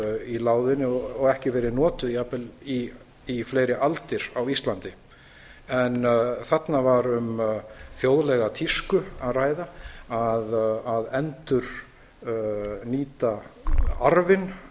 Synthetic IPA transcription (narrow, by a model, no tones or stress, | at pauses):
ilaːwðɪnːɪɔɣɛhcɪvɛːɾɪnɔːt̪ʏðiapɛli | ifleːjɾɪʔalt̪ɪɾawist̪lant̪ɪ | ɛnθat̪navaɾʏmθjowðlɛɣat̪ʰiskʏaðraːjðaaðaðɛnt̪ʏɾ̥ | niːt̪a | aɾvɪn